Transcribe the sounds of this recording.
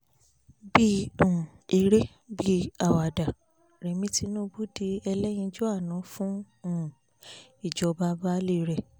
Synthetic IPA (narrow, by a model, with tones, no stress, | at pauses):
bi˦ũ˨ | i˧ɾe˦ | bi˦a˨wa˨da˨ | ɾɛ˨mĩ˧˦ti˧˦nũ˦bu˦di˧ɛ˧lɛ˦j̃ĩ˧d͡ʒu˦a˦˨nã˨˦fũ˦ | ũ˦˨ | i˨d͡ʒɔ˧ba˦ba˦le˦˧˨ɾɛ˨